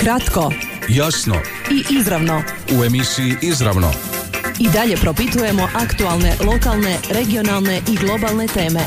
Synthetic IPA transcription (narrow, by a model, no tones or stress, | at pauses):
kɾat̪ko̞ | jasno̰ | iʔizɾaʋno̞ | ue̞misiiʔizɾa̰ʋno̰id̪aʎe̞pɾopit̪uje̞moʔakt̪ualˠne̞lˠo̞kalˠne̞ɾe̞ɡio̞nalˠne̞ʔiɡlˠo̞balˠne̞t̪e̞ːme̞